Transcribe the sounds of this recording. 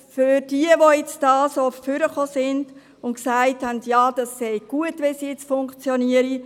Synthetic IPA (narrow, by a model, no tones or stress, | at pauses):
fʏɾd̥iəʋojɛt͡sd̥ɑːsoffʏɾəχoːsɪnd̥ | ʊntksaɪthændjɑːd̥ɑsːɛɪɡ̥uətʋɛnsijɛt͡sfʊŋkt͡sjɔniəɾi